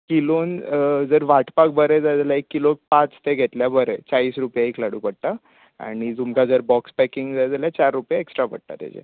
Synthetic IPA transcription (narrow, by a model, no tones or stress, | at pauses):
kilond͡zəɾʋaʈpak̚bəɾed͡zad͡zalaekːilok̚pãt͡st̪eɡʱet̪ljabəɾet͡saiːsɾupjaiklaɽuːpəɽ̚t̪a | a̰ɽ̃id͡zumkad͡zəɾbɔkspɛkiŋɡd͡zad͡zaljat͡ɕaɾːupjaeksʈɾapəɽ̚ʈ̪a̰t̪ja̰d͡ʑḛ